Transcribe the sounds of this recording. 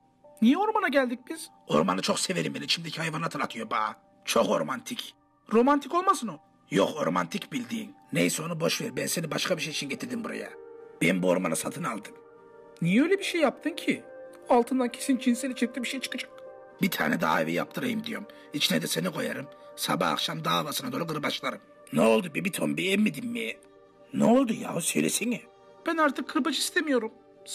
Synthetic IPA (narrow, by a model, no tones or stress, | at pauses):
nijɛo̞ɾmanaɟælʲd̪ic̚biz̥ | o̞̰ɾma̰nɯt͡ʃʰo̞kseve̞ɾimbenit͡ʃʰimd̪ecʰiajvanat̪ʰɯlat̪ʰɯjo̞baː | t͡ʃʰo̞ko̞ɾmant̪ʰic | ɾo̞mant̪ʰiko̞lˠmasɯno | jo̰ko̞ɾma̰nt̪ʰicbilʲd̪iːnːejsɛo̞nubo̞ʃveɾbɛnse̞nibaʃkʰabiʃejit͡ʃʰinɟet̪iɾd̪imbuɾa̰ja̰b̥enimbuoɾma̰nasat̪ʰɯnalˠd̪ɯm | nijɛø̞jlʲɛbiʃejːap̚t̪ʰɯmcʰi | alˠt̪ʰɯnd̪ancʰesint͡ʃʰinselʲit͡ʃʰɛc̚t̪ibiʃejt͡ʃʰɯ̥kad͡ʒḁk | bit̪ʰa̰ːnɛd̪a̰aivɛ̰ja̰p̚t̪ʰɯɾajɯmd̪ijo̞̰m | it͡ʃnɛd̪ɛsenikʰo̞̰jaɾɯmsa̰ba̰ːkʃamd̪aːvasɯnad̪oːɾuɡɯɾɯbaʃlˠaɾɯm | nɛolˠd̪ubibit̪ʰombiɛmmːid̪imːejɛ | nɛolˠd̪uja̰ːusø̞̰jlʲesinja | b̥ænaɾt̪ʰɯkʰːɯɾbad͡ʒɯist̪emijoɾum